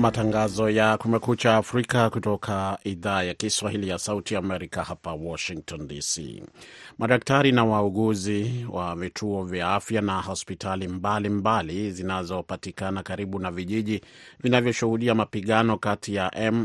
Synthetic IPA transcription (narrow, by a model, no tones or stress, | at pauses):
mataŋɡazɔjakumɛkut͡ʃaːfɾikakutɔkʰaiðaːjakiswahilijasautiaːmɛɾikahapawɔʃiŋk̚tɔndisḭmaɗak̚taɾinawauɠuziwʔavitʰuɔvjaafjanahɔspitalimbalimbalizinazɔpatikanakaɾiɓunaviʄiʄi | vinavjɔʃuhuɗiamapiɠanɔkatʰijaʔɛm